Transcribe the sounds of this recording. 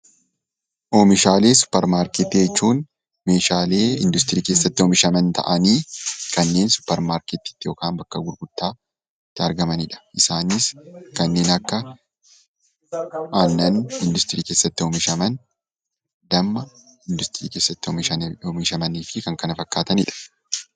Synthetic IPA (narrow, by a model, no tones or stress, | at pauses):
ʔomɪʃaːle̞ːsʊ̥pːɛɾmaːɾket̪ːɪd͡ʒɛt͡ʃːuːn | me̞ːʃaːle̞ːɪnd̪ʊs̬t̪ɪɾiːkeːsːɐt̪ːɪɔmɪʃɐmɐnt̪ʰɐ̰ʔɐniːkɐnːe̞ːnsʊ̥pːɐɾmaːɾkɛt̪ːɪ̥t̪ːɪjoːkaːnbɐkːɐɡʊɾɡʊt̪ːaː | t̪ːɪɐɾɡɐmɐnɪᶑɐ̥ʔɪsaːnɪskɐnːe̞ːnɐkːɐ | aːnːɐnɪnd̪ʊst̪ɪɾiːke̞ːsːɐt̪ːɪɔmɪʃɐmɐn | d̪ɐmːɐ | ɪnd̪ʊst̪ɪɾḭːke̞ːsːɐt̪ːɪmɐomɪʃɐmɐniːfɪkɐŋkɐnɐfɐkːaːt̪ɐnɪ̰ᶑɐ̥